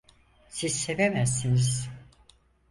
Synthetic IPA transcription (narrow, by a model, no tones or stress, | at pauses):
sizse̞vemæzːiniz̥